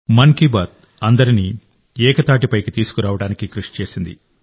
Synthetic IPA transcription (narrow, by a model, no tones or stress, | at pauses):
mɐŋkibɐːt̪̚ | ɐnd̪ɐɾini | ɛːkɐt̪aːʈipɐjkit̪iːsu̥kuɾaːʋɐɽaːnikikɾuʂt͡ʃe̞ːsind̪ḭ